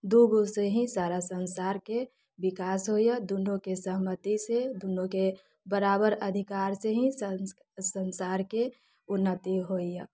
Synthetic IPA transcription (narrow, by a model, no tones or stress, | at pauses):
d̪uːɡoseɦĩsaːɾasənsaːɾke | bɪkaːsɦoijad̪unõkesəɦmət̪ised̪unõke | bəɾaːbəɾəd̪ʱɪkaːɾseɦĩs | sənsaːɾke | ʊnːət̪iɦoija